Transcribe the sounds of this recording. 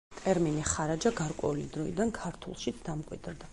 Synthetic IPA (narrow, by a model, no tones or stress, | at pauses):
t̪ʼɛɾminiχaɾad͡ʒaɡaɾkʼwɛ̰ulid̪ɾɔḭd̪ankʰaɾt̪ʰṵlˠʃit̪sʰd̪̥amkʼwḭd̪ɾd̪a